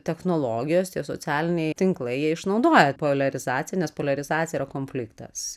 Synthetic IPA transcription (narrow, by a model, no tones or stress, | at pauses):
t̪ʲɛxnoːlˠoːɡʲɪjoːst̪ʲiɛso̰t͡ssʲæːlʲɪnʲɛɪt̪ʲɪŋklˠɐɪjiɛɪʃnɐʊd̪oːjɛpoːlʲɐɾʲɪzɑːt͡sʲɪjɛnʲɛspoːlʲɐɾʲɪzɑːtt͡sʲɪjɛiːɾɐkoːnʲfʲlʲɪkt̪ɐ̰s